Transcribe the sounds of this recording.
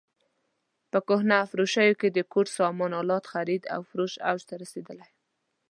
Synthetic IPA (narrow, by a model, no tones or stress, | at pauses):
pəkʊhnafɾoʃajoked̪əkoɾsɑmɑnɑlɑt̪xaɾid̪a̰wfɾoʃa̰wd͡ʒt̪aɾased̪əlaj